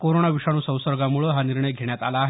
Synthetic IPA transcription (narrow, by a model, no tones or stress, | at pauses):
koɾoɳaʋiʂaɽ̃uːsə̃w̃səɾɡamuɭəɦaniɾɳəjɡʱeɳ̃jat̪a̰laːɦe